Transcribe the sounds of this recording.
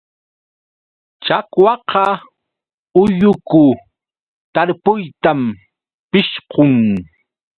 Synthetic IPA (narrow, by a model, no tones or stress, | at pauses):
t͡ʃakwɑqɑ | ʊjʊkʊ | t̪aɾpʊjt̪am | pɪʃqoŋ